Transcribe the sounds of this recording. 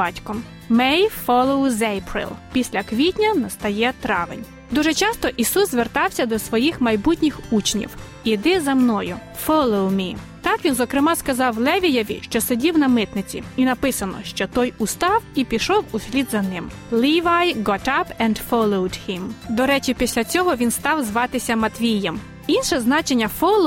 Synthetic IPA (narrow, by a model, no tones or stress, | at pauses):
bɑtʲkɔm | mɛjfɔlˠoʊwzejpɾɪ̰lˠpʲisʲlʲɐkʋʲitʲnʲɐnɐst̪ɐjɛt̪ɾɑʋɪ̰nʲ | d̪uʒet͡ʃɑst̪ɔʔisuszʋert̪ɑwsʲɐd̪ɔsʋɔjixmɐjbutʲnʲɪxut͡ʃnʲḭw | id̪ɪzɐmnɔjʊ | fɔlˠowmʲi | t̪ɑkʋʲinzɔkɾɪmɑskɐzɑwlˠɛʋʲijɐʋʲḭʃt͡ʃɔsedʲiwnɐmɪt̪nɪt͡sʲḭinɐpɪsɐnɔ̰ʃt͡ʃɔt̪ɔjʊst̪ɑwipʲiʃɔwusʲlʲid̪zɐnɪm | lˠiʋajɡɔtɐpɛ̃nd̪fɔlˠowd̪hɪ̃md̪ɔɾɛt͡ʃipʲisʲlʲɐt͡sʲɔɦɔʋʲinst̪ɑwzʋɑt̪ɪsʲɐmɐt̪ʋʲijɐm | inʃɛznɑt͡ʃenʲːɐfɔlˠ